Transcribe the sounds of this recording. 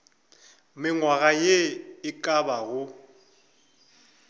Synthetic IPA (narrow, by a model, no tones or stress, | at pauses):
mɪŋwaɣajeɪkʼabaɣʊ